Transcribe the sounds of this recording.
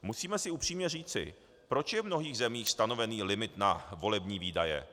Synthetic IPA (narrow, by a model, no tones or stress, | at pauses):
musiːmɛsɪʔupr̥iːmɲɛriːt͡sɪ̰ | pɾo̞t͡ʃjɛvmno̞ɦiːɣzɛmiːxst̪ano̞vɛniːlɪmɪt̪navo̞lɛbɲiːviːdajɛ̰